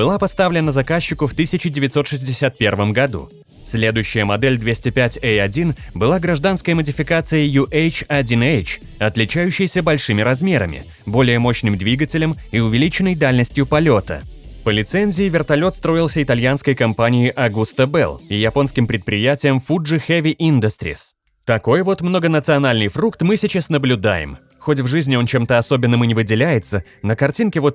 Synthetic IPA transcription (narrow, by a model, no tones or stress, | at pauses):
b̥ɨlˠapɐst̪avlʲɪnəzɐkaɕːɪkʊft̪ɨsʲɪt͡ɕɪdʲɪvʲɪt̪so̞t̪ʂɨzʲdʲɪsʲat̪̚pʲe̞rvəmɡɐd̪ṵ | sʲlʲe̞d̪ʊjʉɕːɪjəmɐd̪ɛlʲd̪vʲesʲtʲɪpʲætʲeɐdʲinbɨlˠaɡɾɐʐd̪anskəjəmədʲɪfʲɪkat̪sɨjəjuʔejt͡ɕɐdʲinejt͡ɕ | ɐt̪lʲɪt͡ɕæjʉɕːɪjsʲəbɐlʲʂɨmʲɪɾɐzmʲe̞ɾəmʲɪ̰ | bo̞lʲɪjəmo̞ɕnɨmd̪vʲiɡətʲɪlʲəmiʊvʲɪlʲit͡ɕɪnəjd̪alʲnəsʲtʲjʊpɐlʲot̪ə̰pəlʲɪt̪sɛnʲzʲɪɪvʲɪrt̪ɐlʲo̞t̪st̪ɾo̞ɪlˠsʲəɪt̪ɐlʲjanskəjkɐmpanʲɪɪʔɐɡust̪əbɛ̰lˠijɐpo̞nskʲɪmpɾʲɪt̪̚pɾʲɪjætʲɪjəmfuʐɨxɛvʲɪʔind̪əst̪ɾʲɪ̰s | t̪ɐko̞jvo̞t̪mno̞ɡənət̪sɨɐnalʲnɨjfɾukt̪mɨsʲɪt͡ɕasnəblʲʊd̪a̰jɪ̰m | xo̞tʲvʐɨzʲnʲɪo̞nt͡ɕe̞mt̪əɐso̞bʲɪnːəmɨnʲɪvɨdʲɪlʲæjɪt̪sə | nəkɐrtʲinkʲɪvo̞t̪